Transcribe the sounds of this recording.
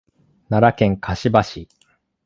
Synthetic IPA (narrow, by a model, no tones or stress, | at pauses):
naɾakẽ̞ŋkʰaɕibaɕi